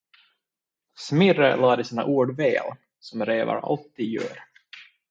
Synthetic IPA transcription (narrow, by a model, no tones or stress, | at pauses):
smɪrəlɑːd̪əsiːna̰ʔuːɖvɛːl | sɔmɾeːva̰ɾa̰lt̪ːiːd̪jœ̰ːɾ